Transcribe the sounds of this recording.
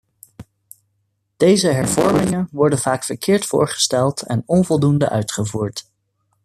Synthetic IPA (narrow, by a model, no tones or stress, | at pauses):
d̥ejzəɦɛɹv̥ɔ̰ɹmɪŋənʋɔɹdənv̥aːkfəɹkɪːɹtfʊ̰ːɹχə̥stɛlˠtɛ̰nɔnvɔlˠdundə̰ʔœɥtχəvuːɹt